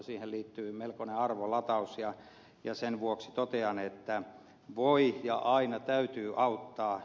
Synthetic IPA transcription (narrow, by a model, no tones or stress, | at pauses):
siːhelliːt̪ːyːmelkoneɑrʋolɑt̪ɑusjɑ | jɑsenʋuoksit̪ot̪eɑnet̪ːæ | ʋoijɑʔɑinɑt̪æyt̪yːʔɑut̪ːɑː